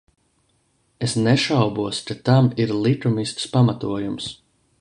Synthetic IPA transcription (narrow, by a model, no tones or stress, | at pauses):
esnɛʃawbuɔskat̪amiɾlˠit̪umist̪spamat̪uɔjums